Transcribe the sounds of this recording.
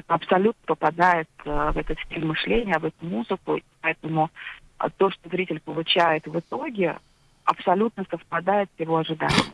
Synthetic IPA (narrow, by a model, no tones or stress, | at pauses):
ɐpsɐlʲut̪nəpəpɐd̪ajɪt̪vɛt̪ət̪sʲtʲilʲmɨʂlʲenʲɪjəvɛt̪ʊmuzɨkʊipɐɛt̪əmʊ̰ | t̪o̞ʂt̪ozɾʲitʲɪlʲpəlˠʊt͡ɕæjɪt̪vɨt̪o̞ɡʲɪ | ɐ̰psɐlʲut̪nəsəfpɐd̪ajɪt̪sjɪvo̞ɐʐɨd̪a̰nʲɪ̰j